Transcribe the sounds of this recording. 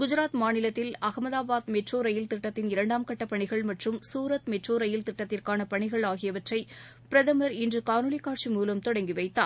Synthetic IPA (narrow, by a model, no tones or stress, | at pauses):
ɡʊd͡ʒɪɾaːt̪maːnɪlɐt̪ːɪlɐɣɐmɐðaːbaːt̪mɛʈroːɾɐjɪlt̪ɪʈːɐt̪ːɪnɪɾɐɳɖaːmkɐʈːɐpːɐɳɪɣɐɭmɐʈrɯmsuːɾɐt̪mɛʈroːɾɐjɪlt̪ɪʈːɐt̪ːɪrkaːnɐpɐɳɪɣɐɭaːɣɪjɐʋɐʈrɐɪ | pɪɾɐðɐmɐɾɪndrɯkaːnɯɭɪkːaːʈ̚t͡ʃimuːlɐmt̪ɔɽɐŋɡiʋɐɪt̪ːa̰ː